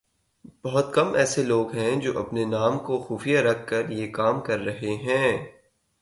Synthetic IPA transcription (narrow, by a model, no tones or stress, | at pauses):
b̥ɐɦʊt̪kɐmɛːseloːɡɦɛ̃d͡ʒo̰ːʔɐ̰pnenaːmkoxuːfijaɾɐkʰːɐɾjekaːmkɐɾːɐɦeɦɛ̃ː